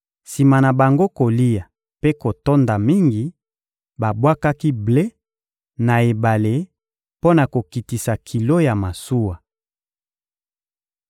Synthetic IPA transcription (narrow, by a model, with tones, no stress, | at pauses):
si˨ma˨na˨ba˨ŋɡo˦ko˨li˦ja˨ | pe˦ko˨to˦nda˨mi˦ŋɡi˨ | ba˨bwa˦ka˦ki˦ble˦ | na˨e˨ba˨le˨ | po˦na˨ko˨ki˨ti˨sa˨kʰi˨lo˦ja˨ma˨su˦wa˨